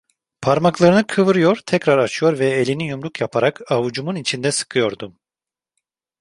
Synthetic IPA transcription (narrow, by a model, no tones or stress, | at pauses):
pʰaɾmaklˠaɾɯnɯkʰɯvɯɾɯjo̞ɾt̪ʰɛcɾaɾat͡ʃʰɯjo̞ɾvɛelʲinijumɾukjapʰaɾakavud͡ʒumunit͡ʃʰind̪ɛsɯ̥kʰɯjo̞ɾd̪um